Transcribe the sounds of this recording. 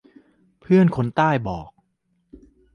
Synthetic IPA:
pʰɯ˥˩ənkʰo˨˦nt̪aː˥˩jbɔː˨˩k̚

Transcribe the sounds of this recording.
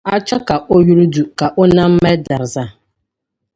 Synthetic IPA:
a˦t͡ʃa˦ka˨ʔo˦ju˦ɾu˦du˨ka˨ʔo˦nã˦m̩˦mɛ˦da˨ɾza˦˨

